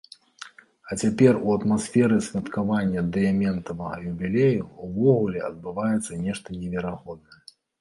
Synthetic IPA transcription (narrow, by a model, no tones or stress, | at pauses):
ɐt͡sʲapʲɛruɐt̪masʲfʲɛɾɨsʲvʲɐt̪kavanʲːɐd̪ɛɛmʲɛnt̪ɐvɐɐ̰jubʲilʲejuuvɔɣulʲɛɐ̰d̪̚bɨvajɛt̪sːɐnʲɛʂt̪ɐnʲɛvʲɛɾaɣɔd̪̚nɐjɛ